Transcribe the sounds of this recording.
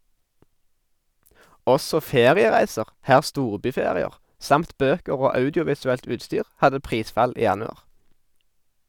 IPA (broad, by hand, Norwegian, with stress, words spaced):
ˈɔsɔ ˈfeːʁɪəˌʁæɪsəʁ ˈhæːʁ ˈstuːʁbyːˌfeːʁɪəʁ ˈsɑmt ˈbøːkəʁ ˈoː ˈɑʉdɪʊʋɪsʉɛlt ˈʉːtˌstyːʁ ˈhɑdə ˈpʁiːˌsfɑl ˈiː ˈjɑnʉɑʁ